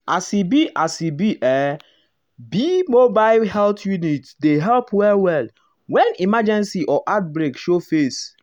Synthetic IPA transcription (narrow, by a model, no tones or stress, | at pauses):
ʔasibiʔasibiʔɛ | bimobaɪlhɛltjunitdeɦɛlpwɛlwɛl | wɛ̃nimad͡ʒɛ̃nsiʔɔʔat̚bɹekʃofes